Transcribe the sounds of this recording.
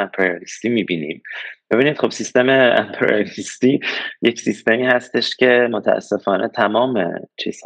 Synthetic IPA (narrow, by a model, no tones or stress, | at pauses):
æmpʰeɾiolist̪imibinḭmb̥e̞biːniːd̪̥χo̞bsist̪e̞meæ̰mpʰeɾḭolist̪ije̞csist̪e̞miːhæst̪e̞ʃcʰe̞mot̪ʰææ̰sːe̞fɒːnʔet̪ʰæmɒːmḛt͡ʃʰḭːz̥